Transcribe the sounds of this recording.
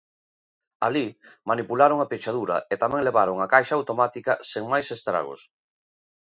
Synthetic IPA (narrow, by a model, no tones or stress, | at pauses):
a̰limanipulaɾoŋapet͡ʃaðuɾɐ̰et̪amɛ̃ŋleβaɾoŋakajʃɐawt̪omat̪ikɐseŋmajsest̪ɾa̰ɣo̰s